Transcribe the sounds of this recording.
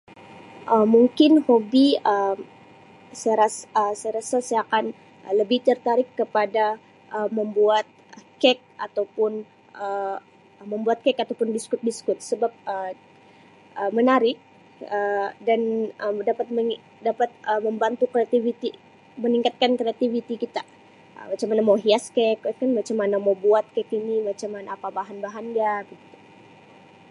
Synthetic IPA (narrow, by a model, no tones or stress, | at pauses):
ʔəmuŋkɪnhobiəm | sajaɾasəsajaɾasasajakan | ələbɪht̪ərt̪aɾɪkːəpada | ʔəməmbuat̪̚kɛk̚at̪awpʊn | ʔə | məmbuat̪̚kɛkat̪awpʊndiskʊt̪̚diskʊt̪̚səbap̚ə | ʔəmənaɾɪk̚ | ədanədapat̪̚məŋ | dapat̪̚əməmbant̪ukɾeat̪ivit̪i | məniŋkat̪̚kankɾeat̪ivit̪ikit̪a | ə̰mat͡ʃamanamoɦiaskɛkkanmat͡ʃamːanamowbuat̪̚kɛkinimat͡ʃamːanaːpabaɦanbaɦandaɡit̪ut̪u